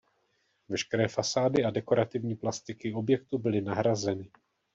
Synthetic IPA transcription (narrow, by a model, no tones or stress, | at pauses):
vɛʃkɛɾɛːfasaːdɪadɛko̞ɾat̪ɪvɲiːplast̪ɪkɪo̞bjɛk̚t̪ubɪlɪnaɦɾazɛnɪ